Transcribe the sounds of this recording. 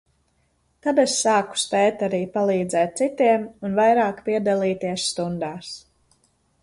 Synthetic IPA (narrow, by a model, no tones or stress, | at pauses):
t̪ad̪essaːku̥spɛːt̪aɾiːpalˠiːd̪zɛːt̪̚t̪sit̪iɛmunvajɾaːkpiɛd̪alˠiːt̪iɛsst̪und̪aːs